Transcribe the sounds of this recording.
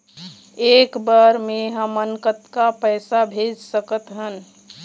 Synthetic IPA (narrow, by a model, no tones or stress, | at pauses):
eːkbəɾmeɦəmːənkət̪kapəjsabʱed͡ʒsəkət̪ɦən